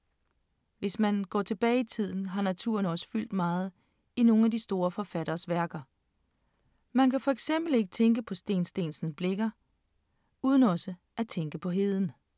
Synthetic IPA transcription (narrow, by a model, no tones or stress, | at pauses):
ʋe̝smænɡ̥ɒ̰ːt͡sʰe̝b̥ɛːɪit͡sʰið̞̰ˠn̩ɦɑ̈næt͡sʰṵɐnɒ̽sə̥fyl̰d̥mɑ̈ːð̞̩ˠ | ino̝ːŋ̩æd̥isd̥o̝ːɐfɒ̽fæɾɐːsʋæɐɡ̥ɐ | mænkʰæfɒ̽eɡ̥sem̰b̥l̩e̝ɡ̥ət͡sʰeŋɡ̥əpʰɒ̽sd̥e̝̰ːnsd̥e̝̰ːnsn̩sb̥le̝ɡ̥ɐ | uːð̞ˠn̩ɒ̽sə | ʔæt͡sʰeŋɡ̥əpʰɒ̽ɦe̝ð̞ˠn̩